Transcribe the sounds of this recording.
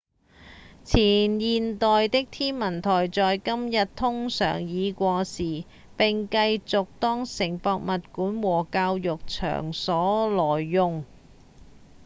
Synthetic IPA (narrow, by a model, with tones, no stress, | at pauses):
t͡sʰiː˨˩njiː˨nt̪ɔː˨jt̪ɪ˥k̚t̪ʰiː˥nmɐ˨˩nt̪ʰɔː˨˩jt͡sɔː˨jkɐ˥mjɐ˨t̚t̪ʰʊ˥ŋsœ̰ː˨˩ŋjiː˨˧kʷɔː˧siː˨ | pɪ˨ŋkɐ˧jt͡sʊ˨k̚t̪ɔː˥ŋsɪ˨˩ŋpɔː˧k̚mɐ˨t̚kuː˨˥nwɔː˨˩kaː˧wjʊ˨k̚t͡ʃʰœ̰ː˨˩ŋsɔː˨˥lɔː˨˩jːʊ˨ŋ